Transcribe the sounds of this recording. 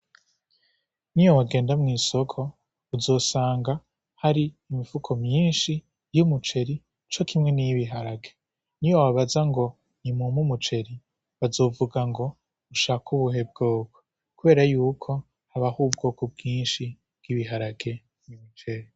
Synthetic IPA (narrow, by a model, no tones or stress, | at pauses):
niwowaɡe̞ːndamŋiːso̞kʰo̞ | uzo̞ːsaːŋɡa | haɾiːmifukʰo̞mɲiːnʃi | jumut͡ʃe̞ɾi | t͡ʃo̞kʰimŋe̞nijiβiɦaɾaɡe̞ | niwawaβazaŋɡo̞ | nimumumut͡ʃe̞ɾi | βazo̞ːvuɡaŋɡo̞ | uʃaːkuβuɦe̞b̚ɡoːko | kuβe̞ːɾajuːkʰo̞ | haβahub̚ɡo̞ːkob̚ɡiːnʃi | b̥ɡ̥iβiɦaɾaɡe̞ | jumut͡ʃe̞ɾi